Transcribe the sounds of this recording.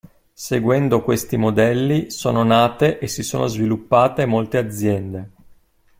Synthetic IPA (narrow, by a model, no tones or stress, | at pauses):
seɡwɛnd̪okwest̪imod̪ɛlːisoːnonaːt̪eʔesiso̰ːnʔozvilupːaːt̪emolt̪ead̪zːjɛnd̪e